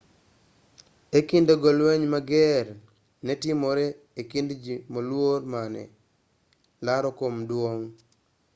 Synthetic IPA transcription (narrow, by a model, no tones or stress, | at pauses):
ekindoɡɔlwɛɲmaɡɛr | nɛtɪmoɾɛ | ekindd͡ʒimolwormanɛ̰ | laɾɔkomdwoŋ